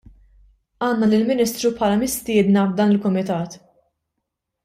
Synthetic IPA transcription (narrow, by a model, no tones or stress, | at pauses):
ɐːnːɐlɪlmɪniːst̪ɾupʰħɐːlɐmɪst̪ɪːd̪nɐbd̪ɐːnɪlkʊmɪt̪ɐːt̪